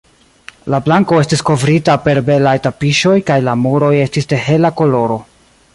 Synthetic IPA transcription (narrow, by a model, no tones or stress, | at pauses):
lablaŋko̞e̞stisko̞vɾitape̞ɾbe̞lajtapiʃo̞jkajlamuɾo̞je̞stiste̞ɦe̞lako̞lo̞ɾo̞